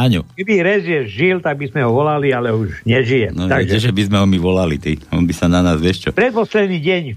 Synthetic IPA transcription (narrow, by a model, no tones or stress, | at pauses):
aɲukɛbiɾɛzjɛʒilt̪aɡ̚bizmɛɦɔʋɔlalialɛuʒɲɛʒijɛnɔaɡʒɛɛʒɛbizmɛɦɔmiʋɔlalit̪iɔnbisananaːzʋɪɛʃt͡ʃɔpɾɛt̪pɔslɛd̪niːɟɛɲ